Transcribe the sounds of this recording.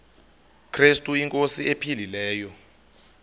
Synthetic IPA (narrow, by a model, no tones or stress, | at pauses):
kʰrestʼuiŋkʼosiepʰililɛːjɔ